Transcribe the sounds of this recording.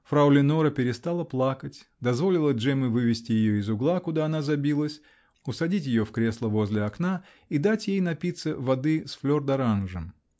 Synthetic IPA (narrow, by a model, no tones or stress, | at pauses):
fɾɐʊlʲɪnoɾəpʲɪɾʲɪst̪alˠəplˠakətʲd̪ɐzvo̞lʲɪlˠəʐɛmɨvɨvʲɪsʲtʲɪjɪjoɪzʊɡlˠakʊd̪aɐnazɐbʲilˠəsʲ | ʊsɐdʲitʲjɪjofkɾʲe̞slˠəvo̞zʲlʲɪɐkna | id̪atʲjejnɐpʲit̪səvɐd̪ɨsflʲo̞rd̪ɐɾanʐɨm